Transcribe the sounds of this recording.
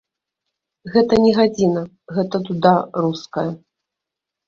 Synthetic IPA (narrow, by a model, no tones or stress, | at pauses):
ɣɛt̪ɐnʲɛɣad͡zʲinɐ | ɣɛt̪ɐt̪ud̪aruskɐjɐ